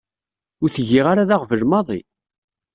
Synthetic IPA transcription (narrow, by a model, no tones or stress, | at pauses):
ʊɾθəʝːiʁaɾaðaʁvəlmɑðˤḭ